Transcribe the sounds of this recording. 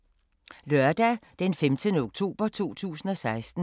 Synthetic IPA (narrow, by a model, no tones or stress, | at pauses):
lɶɐd̥ɛd̥enfemd̥ənəoɡ̥̚t͡sʰo̝̰ːb̥ɐt͡sʰo̝̰ːt͡sʰṵːsn̩ɒ̽sɑ̈ɪsd̥n̩